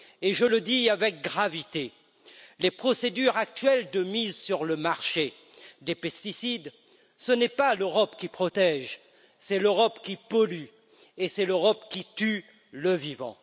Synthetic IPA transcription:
eʒələd̪iavɛk̚ɡʁavit̪e | lepχɔsed̪yʁak̚t̪ɥɛld̪əmizsyʁləmaʁʃe | d̪epɛst̪isid̪ | sənɛpaløʁɔpkʲipχɔt̪ɛʒ | sɛløʁɔpkʲipɔly | esɛløʁɔpkʲit̪y | ləvivɑ̰̃

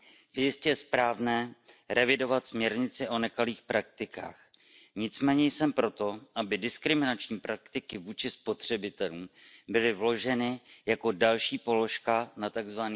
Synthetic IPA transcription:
jɛjɪscɛspɾaːvnɛːɾɛvɪdo̞vat̪smɲɛɾɲɪt͡sɪʔo̞nɛkaliːxpɾak̚t̪ɪkʰa̰ːx | ɲɪt͡smɛːɲɛjsɛmpɾo̞t̪o̞ʔabɪdɪskɾɪmɪnat͡ʃɲiːpɾakt̪ɪkɪvuːt͡ʃɪspo̞t̪r̝̥ɛbɪt̪ɛluːmbɪlɪvlo̞ʒɛnɪjako̞dalʃiːpo̞lo̞ʃkanat̪aɡzvani

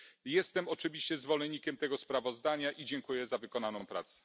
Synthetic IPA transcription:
jɛst̪ɛmɔt͡ʂɘvʲiɕt͡ɕɛzvɔlɛɲːikʲɛmt̪ɛɡɔspɾavɔzd̪aɲaʔid͡ʑɛŋkujɛzavɘkɔnanɔ̃w̃pɾa̰t̪sɛ̥

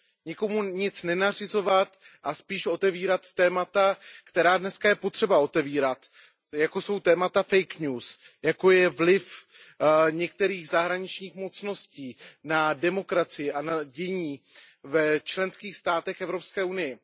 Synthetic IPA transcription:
ɲɪko̞muɲɪt͡snɛnar̝ɪzo̞vat̪ʔaspiːʃo̞t̪ɛviːɾat̪ːɛːmat̪akt̪ɛɾaːdnɛskajɛpo̞t̪r̝̥ɛbao̞t̪ɛviːɾat̪ | jako̞so̞wt̪ɛːmat̪afɛjkɲuːs | jako̞jɛvlɪf | ɲɛk̚t̪ɛɾiːɣzaɦɾaɲɪt͡ʃɲiːxmo̞t͡sno̞sciːnadɛmo̞kɾat͡sɪjɪʔanaɟɛɲiːvɛt͡ʃlɛnskiːxst̪aːt̪ɛxɛvɾo̞pskɛːunɪjɛ

